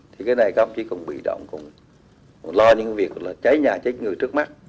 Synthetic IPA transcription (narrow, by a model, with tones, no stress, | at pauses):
t̪ʰi˨˩kaː˨˦jna˨˩jkaː˨˧˦hʊ˧ŋ͡mt͡ɕi˧˦kʊ˨˩ŋ͡mɓḭ˧˨ɗə̰˧˨wŋ͡mkʊ˨˩ŋ͡m | lɔ˧ɲɨ̰˧˥ka˧˦vi˨˩ək̚laː˨˩t͡ɕa˨˦jɲaː˨˩t͡ɕa˨˦ŋɨ˨˩əjtɨ˦˥ək̚ma˦˥t̚